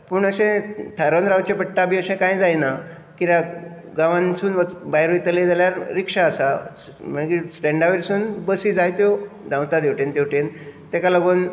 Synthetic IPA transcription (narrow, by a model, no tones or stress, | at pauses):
puɳəsẽt̪ʰəɾənɾawt͡ɕepəʈːabʱiəsẽkãjd͡zajna | kiɾa | ɡaʋãnsuːnʋəbaɦjɾoit̪əled͡zaljaɾːikʂaəsa | m̤əkisʈẽɳɖaʋeɾsuːnbəsid͡zajt̪jod̪ʱãwt̪ad̪ewʈent̪ewʈẽnt̪ekaləɡuːn